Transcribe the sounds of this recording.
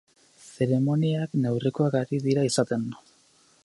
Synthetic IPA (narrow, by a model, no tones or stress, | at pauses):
se̞ɾe̞mo̞niakne̞wriko̞aɣaɾiðiɾaisat̪e̞n